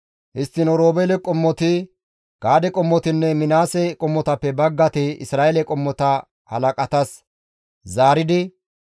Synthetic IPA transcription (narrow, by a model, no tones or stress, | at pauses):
hɪst̪ːɪnɔɾoːbɛlɛkʼɔmːɔt̪ɪ | ɡ̥aːd̪ɛkʼɔmːɔt̪ɪnːɛmɪnaːsɛkʼɔmːɔt̪ɐpːɛbɐɡːɐt̪ɪɪ̰sɾaːelɛkʼɔmːɔt̪ɐ | hɐ̰lɐkʼɐt̪ɐs | zaːɾɪd̪ɪ